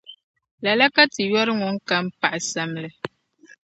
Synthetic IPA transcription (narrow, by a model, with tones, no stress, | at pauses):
la˨la˦ka˦ti˨jɔ˦ɾɨ˦ŋu˨˦ŋ̩˦ka˦m̩˦pa˨ʔa˨sa˨mlɛ˨